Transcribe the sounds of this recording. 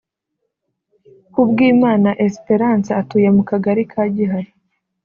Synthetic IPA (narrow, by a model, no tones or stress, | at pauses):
kubɡiːmaːnaʔespe̞ɾansaatuːjemukaɡaɾikʰaːɟiɦaɾi